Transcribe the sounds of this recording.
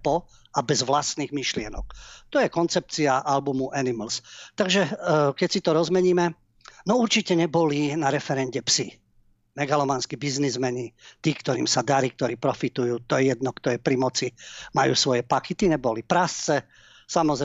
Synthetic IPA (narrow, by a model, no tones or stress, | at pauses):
pɔ | abɛzʋlast̪niːɣmiʃlɪɛnɔ̰k̚t̪ɔjɛkɔnt͡sɛp̚t͡siaʔalbumuʔɛniml̩st̪aɡʒɛkɛcsit̪ɔɾɔzmɛɲiːmɛ | nɔuɾt͡ʃicɛɲɛbɔlinaɾɛfɛɾɛnɟɛpsi | mɛɡalɔmanskibiznizmɛɲit̪iːkt̪ɔɾiːmsad̪aɾiːk̚t̪ɔɾiːpɾɔfit̪ujuːt̪ɔjɛjɛd̪̚nɔkt̪ɔjɛpɾimɔt͡simajṵːsʋɔjɛpakit̪iɲɛbɔlipɾast͡sɛ | samɔz